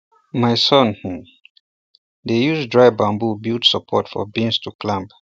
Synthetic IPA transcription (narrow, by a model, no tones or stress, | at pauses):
majsɔ̃nh̩ | d̪ejuzdɹaɪbãmbubiltsəpʰɔtfɔ̰bĩnstʰukʰlãmp